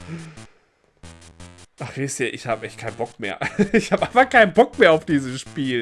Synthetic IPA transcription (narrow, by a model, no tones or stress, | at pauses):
ʔaχhestiːʔɪçhaːbəʔɛçt̚kʰaɪnbɔkmeːɐʔɪçhaːbəʔaɪnfɐkaɪnənbɔk̚meːɐaʊfd̥iːzəsʃpiːl